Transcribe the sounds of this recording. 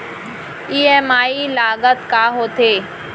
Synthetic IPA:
iːeːmaːilaːɠət̪kaːɦoːt̪ʰeː

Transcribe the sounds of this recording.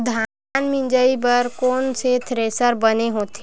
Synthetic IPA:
d̪ʱa | nmɪ̃nd͡ʒəibəɾkoːnset̪ʰɾeːsəɾbəneɦoːt̪e

